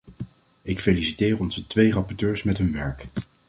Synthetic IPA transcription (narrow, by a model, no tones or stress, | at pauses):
ɪkfejlisitɪːrɔnzətʋejrɑpɔɹtøːɹsmɛtɦɵnʋɛɹk